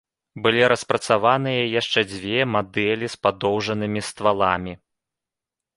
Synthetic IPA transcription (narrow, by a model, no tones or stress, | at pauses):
bɨlʲiɾɐspɾɐt̪savanɨjɐjaʂt͡ʂɛd͡zʲvʲɛmad̪ɛlʲispad̪ɔwʐɐnɨmʲist̪valˠamʲi